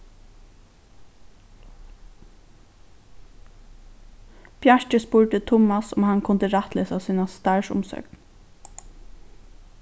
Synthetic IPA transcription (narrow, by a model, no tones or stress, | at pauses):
pʰjɛɹt͡ʃəspuːɹʈ̪ət̪ʰʊmasʊ̰mhankʰʊnt̪əɾat̪leːsasiːnast̪aɹʃʊ̰msœ̰kn